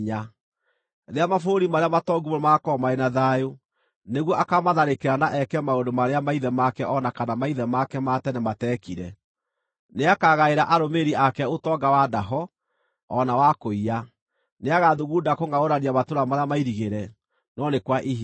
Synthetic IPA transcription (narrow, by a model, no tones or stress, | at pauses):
ɲa | ðeamafoɾimaɾeamatɔɡumomakɔmaenaðajo | neɣwɔʔakamaðaɾekeɾanaʔɛkɛmaondomaɾeamaiðɛmakɛʔɔnakanamaiðɛmakɛmatɛnematɛkiɾɛ | neakaɣaeɾaʔaɾomeɾiakɛotɔɡawadaɦɔ | ɔnawakoia | neaɣaðuɣuːdakoŋɡaoɾaniamatoɾamaɾeamaiɾiɣeɾɛ | nɔnekwaʔiɦ